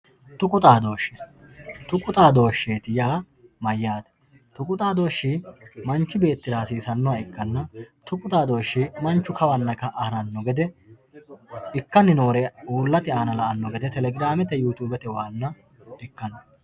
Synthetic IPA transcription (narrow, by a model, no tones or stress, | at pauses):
t̪ʊkʼʊt̪ʼaːd̪o̞ːʃːɛ | t̪ʊkʼʊt̪ʼaːd̪o̞ːʃːeːt̪ɪjaː | mɐjːaːd̪ɛ̥ | t̪ʊkʼʊt̪ʼaːd̪o̞ːʃːɪmɐnt͡ʃːɪbe̞ːt̪ːɪɾaːsiːsɐnːɔwɐɪkːɐnːɐt̪ʊkʼʊt̪ʼaːd̪o̞ːʃːɪmɐnt͡ʃːʊkɐwɐnːɐkɐʔɐhɾɐnːɔɡɛd̪ɛ | ɪkːɐnːɪno̞ːɾɛuːlːɐt̪ɪaːnɐlɐʔɐnːɔɡɛd̪ɛt̪ɛlɛɡɪɾaːmɛt̪ɛjuːt̪uːbɛt̪ɛwaːnːɐ | ɪkːɐnɔ